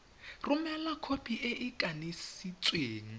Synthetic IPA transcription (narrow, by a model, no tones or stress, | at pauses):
rʊmɛlakʰopʼiʔeʔɪkʼanisit͡sʼweːŋ̩